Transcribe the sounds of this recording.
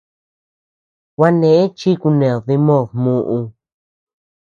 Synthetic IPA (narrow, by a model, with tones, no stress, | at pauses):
wa˧nẽ˨ʔẽ˦t͡ʃi˦ku˧nẽ˨ði˧mõ˦˨ðmũ˧ʔũ˧